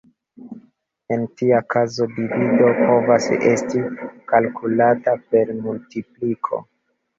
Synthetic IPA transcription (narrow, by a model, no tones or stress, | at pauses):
e̞ntiakazo̞divido̞pʰo̞vasḛstikalkulatape̞ɾmultiplikʰo̞̰